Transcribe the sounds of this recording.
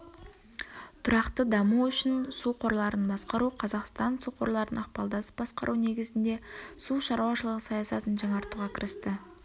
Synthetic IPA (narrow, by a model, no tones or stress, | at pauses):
t̪ʰʊɾɑqt̪əd̪ɑmuʏʃɪnsuqʰo̞ɾlˠɑɾənbɑsqɑɾuqʰɑzɑqst̪ɑnsuqʰo̞ɾlˠɑɾənɑqpɑlˠd̪ɑsə̥p̚bɑsqɑ̰ɾʔune̞ɡʲɪzɪnd̪e̞suʃɑɾuwɑʃəlˠəʁəsɑjɑsɑt̪ənʒɑɴɑɾt̪uʁɑkʲʰɪɾɪst̪ɪ